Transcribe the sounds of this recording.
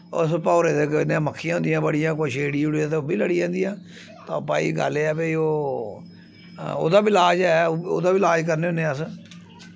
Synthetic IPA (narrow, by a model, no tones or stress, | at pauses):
ə̰spɔːɾeːd̪eːkɪnːməkʰːijãːʊ̃nd̪ijãːbəɽijãːk̬oiʃeːɽiːʊɽiãːt̪eobiːləɽiːãːnd̪ijãː | t̪ãːpaːḭːɡə̰lːɛːpeiːoː | o̰ːd̪aːbilaːd͡ʒɛːo̰ːd̪aːbiːlaːd͡ʒk̬əɾneːõːneəs